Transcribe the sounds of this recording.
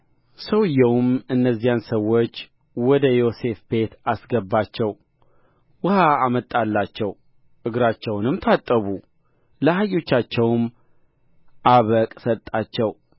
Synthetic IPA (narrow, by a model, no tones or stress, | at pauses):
səwɨjːɛwʊmɨnːəzːijansəwːot͡ʃː | wɔd̪əjo̞se̞fb̥e̞t̪asɡəbːat͡ʃːɛw | wɨhaːmət̪ʼːalːat͡ʃːɛw | ʔɨɡɾat͡ʃːɛwnɨmt̪ʰat̪ʼːəβu | ləhajo̞t͡ʃːat͡ʃːɛwm | ʔaβəkʼsət̪ʼat͡ʃːɛw